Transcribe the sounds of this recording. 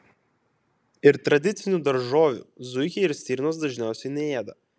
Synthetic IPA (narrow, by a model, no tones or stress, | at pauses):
ɪɾt̪ɾɐd̪ʲɪt̪sʲɪnʲuːd̪ɐɾʒoːʋʲṵːˑzʊɪkʲɛɪɾsʲt̪ʲiːɾʲnoːsd̪ɐʒʲnʲæˑʊsʲɛɪnʲɛeːd̪ɐ